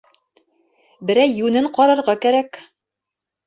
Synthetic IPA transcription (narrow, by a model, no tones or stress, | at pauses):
bɘ̆ɾæjːʉnɘɴqɒɾɤ̆ɾʁɑkæɾæk